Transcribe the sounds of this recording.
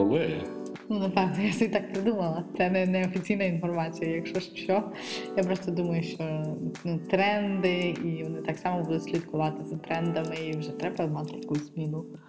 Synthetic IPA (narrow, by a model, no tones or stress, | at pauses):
ɔlˠɪjɛ | nunɐfɑzijasʲɛbʲit̪ɑk̚pɾɪd̪umɐlˠɐt̪sɛnɛnɛɔfʲit͡sʲijnɐinfɔrmɑt͡sʲijɐjɐkʃɔʂʃɔjapɾɔst̪ɔd̪umɐjʊʃt͡ʃɔnut̪ɾɛnd̪ɪiʋɔnɪt̪ɑksɑmɔbud̪ʊt̪ʲsʲlʲit̪kʊʋɑt̪ɪzɐt̪ɾɛnd̪ɐmɪiwʒɛt̪ɾɛbɐmɑlˠt̪ɪɐkuzʲmʲinʊ